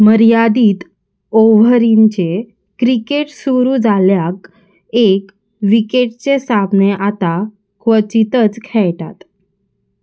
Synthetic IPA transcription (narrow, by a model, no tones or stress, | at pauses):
məɾjad̪iːt̪ | oʋəɾiɲt͡ɕe | kɾikeʈsuɾud͡zaljak | ek | ʋikeʈt͡sesapneʔat̪a | kʋət͡ɕit̪ət͡skʰɛjʈ̪at̪